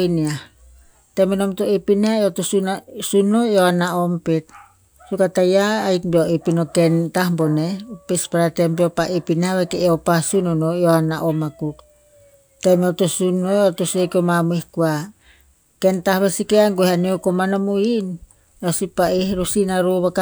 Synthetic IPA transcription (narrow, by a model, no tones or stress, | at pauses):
iniah | temenomtoepinaotosunsunːojoanaompet̚ | sukatajaːjkbioepinokentahmbonepespaɾatembeopaʔepinaβekeeopasunonojoanaʔomakuk | temeotosunojotosekomamuihkua | kentahβesikeaŋɡoehaneokomanomuin | osipaehɾosinaɾoβaka